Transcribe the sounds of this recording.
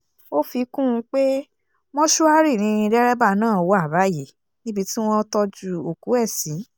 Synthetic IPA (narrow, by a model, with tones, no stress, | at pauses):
o˦fi˧kũ˦ũ˧k͡pe˦ | mɔ̃˦ʃu˦a˦ɾi˦˨nĩ˧i˧dɛ˦ɾɛ˦ba˦˨nãː˦˨wo˧˦a˦˨ba˨˦˨je˨ | nĩ˦bi˧ti˦w̃ɔ̃˦˧tɔ˧d͡ʒu˦o˨ku˨˦ɛ˦˨sĩ˨˦